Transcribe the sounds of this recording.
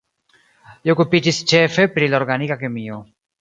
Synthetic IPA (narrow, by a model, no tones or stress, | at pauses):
liokupid͡ʒist͡ʃefepɾiloɾɡanikakemio